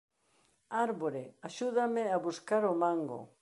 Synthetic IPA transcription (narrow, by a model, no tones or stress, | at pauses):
aɾβoɾeaʃuðameaβuskaɾomãŋɡo̰